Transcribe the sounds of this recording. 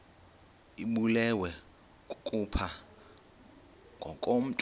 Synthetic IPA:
iɓulɛwɛ | kʼupʰa | ŋɡʱɔ̰kʼom̩tʼ

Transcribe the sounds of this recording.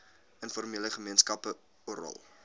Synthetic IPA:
ənfɔrmiələχəmiənskɐpə | oɾɑ̰lˠ

